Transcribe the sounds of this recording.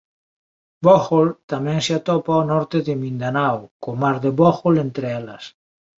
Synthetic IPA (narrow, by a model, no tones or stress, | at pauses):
boxolt̪amɛ̃ŋseat̪ɔpaonɔɾt̪eðemĩnd̪anawkomaɾðeβɔxolent̪ɾeɛlɐ̰s